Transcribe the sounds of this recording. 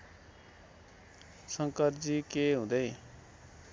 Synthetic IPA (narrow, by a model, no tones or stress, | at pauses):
səŋkəɾd͡ʒikeɦũd̪ei